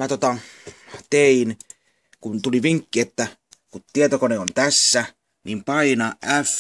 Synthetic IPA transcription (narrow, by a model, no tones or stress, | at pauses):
mæt̪ot̪ɑ | t̪ein | kunt̪uliʋiŋkːiet̪ːækut̪t̪ːiet̪okoneont̪æsːæ | nimpɑinɑʔʔæf